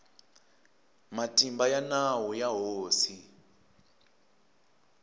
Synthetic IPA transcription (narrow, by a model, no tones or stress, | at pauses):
matʼimbajanawujaɦoːsi